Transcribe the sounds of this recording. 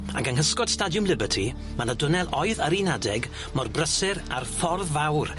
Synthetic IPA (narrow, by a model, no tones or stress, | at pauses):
a̰ɡaŋhəskɔd̥stadjʊmlɪbətʰi | manədʊnɛlˠɔjðəɾinadɛɡ | mɔrbrəsɪɾarfɔrðvawr